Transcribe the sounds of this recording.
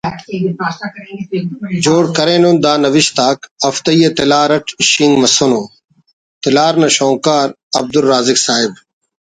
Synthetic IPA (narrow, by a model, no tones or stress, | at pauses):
d͡ʒoːɽkɐɾeːnond̪aːnɐʋɪʃt̪aːkɐft̪ɐiːet̪ɪlaːɾɐʈʰʃiŋɡmɐsonoː | t̪ɪlaːɾnɐʃõːŋkaːɾ | ɐ̰b̚d̪ʊlːaːzɪksaːɪb̚